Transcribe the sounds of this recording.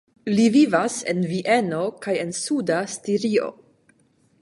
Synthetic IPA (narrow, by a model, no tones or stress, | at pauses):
livivase̞̰nviʔeno̞kaje̞nsudastiɾio̞̰